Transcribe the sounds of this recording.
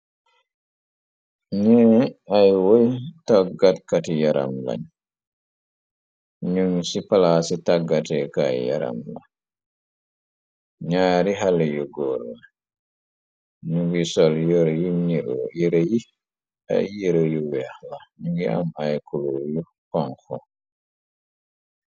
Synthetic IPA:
ɲɛajwojtaɡatkatijaɾʔa̰mla̰ɲ | ɲuŋsipalasitaɡːatɛka̰ja̰ɾa̰mla̰ | ɲaɾiɦaljuɡɔla | ɲuɡisɔljɔɾjuɲiɾo̰jiɾeji | a̰jiɾojuwɛlaɲuɡia̰majkuloju | kɔŋxɔ̰

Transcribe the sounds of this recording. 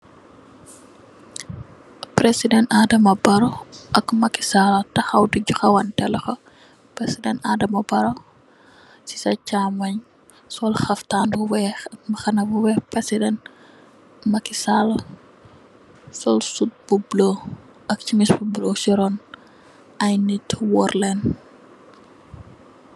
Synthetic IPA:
pɾesidɛntadɐmɐbɐɾɔʔɐkmɐki̥salɐtɐxɐwduɟuxɐwɐntɛlɐxɔ | pɾesidɛntadɐmɐbɐɾo | si̥sɐcaːmɐɲ | sɔlxɐftaːnbuwɛmɐxɐnɐbuwɛpɛsidɛnt | mɐkisalɐ | sɔlsut̚b̥ublo | ʔɐk̚cimisbublosiɾɔn | ɐjnitwɔɾlɛn

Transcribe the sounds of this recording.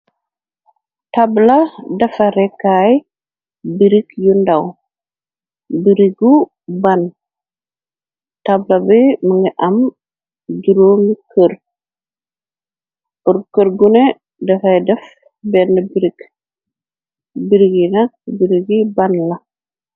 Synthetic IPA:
tabladɐfɐɾɛkːaj | biɾikjundaw | biɾiɡu | ban | tablabiməŋɡɛʔɐm | ɡiɾoːmikʰəɾ | ɔɾkəɾɡunɛ | dɐfajdɛf | bɛndɐbiɾik | biɾiɡinak̚biɾiɡibanla

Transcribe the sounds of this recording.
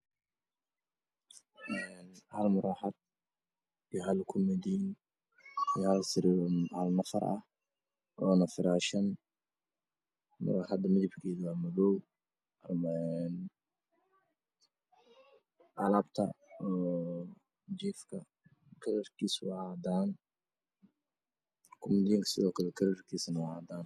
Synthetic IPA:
ʔɛnhɐlmʊɾaːħad̪̚ | iɦɐlkʰʊmɪd̪iːn | ijhɐlsɪɾhɐlnɐfɐ̰ɾɐ̰h | ʔɔːnɐfɪɾaːʃɐn | mʊ̰ɾaːħɑd̪ɐmɪðɪbkʰɛːðwaːmɐðɔw | rmɛn | ʔɑlabt̪ʰɐ̰ɔː | d͡ʒiːfkʰɐ | kʰɐɾɐrkʰiːswɑʕɑd̪aːn | kʰʊmɪd̪iːŋkʰɐ̥sɪðɔːkʰɐlɛkʰɐɾɐrkʰiːsɐnɐwɑʕɑd̪aːn

